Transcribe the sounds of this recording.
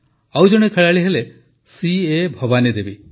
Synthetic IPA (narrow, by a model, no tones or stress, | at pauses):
awd͡ʒɔɽ̃ekʰeɭaɭiɦele | siebʱɔbanid̪ebi